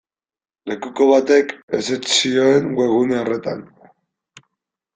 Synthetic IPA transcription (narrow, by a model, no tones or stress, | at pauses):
le̞kuko̞βat̪e̞ke̞̰set͡ʃsioe̞ŋɡwe̞ɣ̞uneore̞t̪an